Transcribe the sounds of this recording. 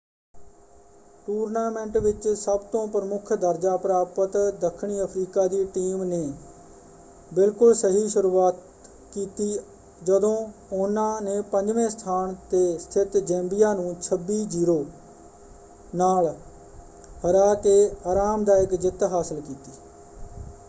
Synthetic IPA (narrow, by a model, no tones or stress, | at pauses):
ʈuːɾnaːmɛ̃ɳʈʋɪt͡ʃsəbt̪õːpɾəmʊkʰd̪əɾd͡ʒaːpɾaːpət̪d̪əkʰːɳ̃iːəpʰɾiːkaːd̪iːʈiːmneː | bɪlkʊlsəɦiːʃʊɾuːaːt̪ | kiːt̪iː | d͡ʒəd̪õːʊnãːneːpə̃ɲd͡ʒʋẽːst̪ʰaːɳt̪eːst̪ʰɪt̪d͡ʒɛ̃ːmbijaːnũːt͡ʃʰəbːiːd͡ʒiːɾoː | naːl | həɾaːt̪eːaːɾaːmd̪aːjɪkd͡ʒɪt̪ɦaːsəlkiːt̪iː